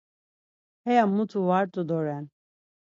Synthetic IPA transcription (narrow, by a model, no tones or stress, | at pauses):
hɛjamut̪ʰuvaɾt̪ʼud̪ɔɾɛn